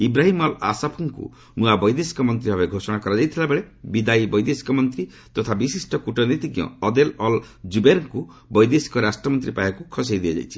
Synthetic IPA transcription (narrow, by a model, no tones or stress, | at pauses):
ibɾaɦimɔla̰sapʰuŋkṵ | mũabɔjd̪esi̥kɔmɔnt̪ɾiɦɔbeɡʱosɔɽ̃akɔɾad͡ʒajt̪ʰilabeɭebid̪ajbɔjd̪esi̥kɔmɔnt̪ɾi | t̪ɔt̪ʰabisisʈɔkuʈɔnit̪iɡjɔ̰ɔd̪elɔl | d͡ʒubeɾɔŋku | bɔjd̪esi̥kɔɾasʈɾɔmɔnt̪ɾipajakukʰɔsejd̪iɔ̰d͡ʒa̰jt͡ʃʰi̥